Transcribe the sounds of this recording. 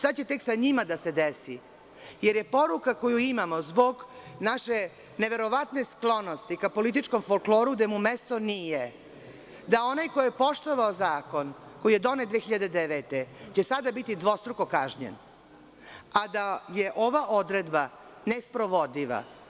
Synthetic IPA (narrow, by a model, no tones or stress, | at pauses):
ʂt̪at͡ɕe̞t̪e̞ksaɲimad̪ase̞d̪esi | jeɾje̞po̞ɾukako̞juimamozbo̞ɡnaʃe | ne̞ʋe̞ɾo̞ʋat̪nesklˠo̞no̞st̪ikapo̞lit̪̬it͡ʃko̞mfolkloːɾuɡd̪emumest̪o̞nije | d̪ao̞najkojjepo̞ʃt̪oʋaozaːko̞nko̞jije̞d̪o̞ned̪ʋeːxiʎad̪e̞d̪eʋet̪et͡ɕe̞sad̪abit̪id̪ʋo̞st̪ɾukokaʒɲḛn | ad̪aje̞ʔo̞ʋaʔod̪ɾed̪ba | nespɾo̞ʋo̞d̪iʋa̰